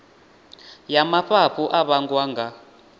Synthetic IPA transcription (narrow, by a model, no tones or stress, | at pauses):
jamaɸapʰuʔaβaŋɡwaːŋɡa